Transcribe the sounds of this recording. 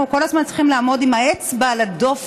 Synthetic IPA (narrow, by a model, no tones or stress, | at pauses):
uko̞lazmant͡sʁiχimlaːmo̞dimaet͡sbalado̞f